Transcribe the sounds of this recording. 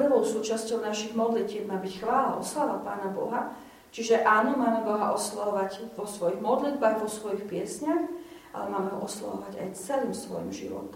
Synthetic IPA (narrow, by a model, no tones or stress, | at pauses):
ɾɔʊsuːt͡ʃascɔʊnaʃiɣmɔd̪licɛːb̚maːbicxʋaːla̰ɔslalapaːnabɔ̰ɦa | t͡ʃiʒɛʔaːnɔmaːmɛbɔɦa̰ʔɔslaɔʋaɟʋɔsʋɔjiɣmɔd̪lid̪baːɣʋɔsʋɔjixpɪɛsɲax | ʔa̰lɛmaːmɛɦɔʔɔsla̰ʋɔ̰ʋaɟa̰jt͡sɛliːmsʋɔ̰jḭmʒḭʋɔ̰t̪